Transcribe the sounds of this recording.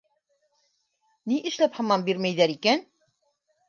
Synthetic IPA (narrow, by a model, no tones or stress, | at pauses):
niʔɘ̆ʃlæphɑmɑmbiɾmæjðæɾikæn